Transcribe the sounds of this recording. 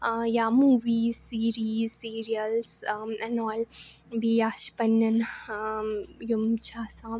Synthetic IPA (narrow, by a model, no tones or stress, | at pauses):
jaːmuːʋiːsiːɾiːsiːɾijəlsɛnɔːl | bijaːʃpɐnjɐn | jumt͡ʃʰaːsãː